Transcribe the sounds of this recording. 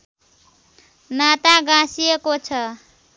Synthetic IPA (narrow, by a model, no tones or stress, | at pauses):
nat̪aɡãsijekot͡sʰʌ